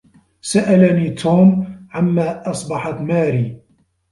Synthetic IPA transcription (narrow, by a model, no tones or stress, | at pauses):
saʔalaniːt̪ʰuːmʕamːaːʔɑsˤbɑħat̪maːɾiː